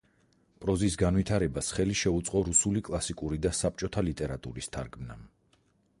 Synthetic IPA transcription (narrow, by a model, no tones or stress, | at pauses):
pʼɾɔzisɡanwit̪ʰaɾɛbasχɛliʃɛut̪sʼqʼɔɾusulikʼlˠasikʼuɾid̪asap̚t͡ʃʼɔt̪ʰalit̪ʼɛɾat̪ʼuɾist̪ʰaɾkʰmnam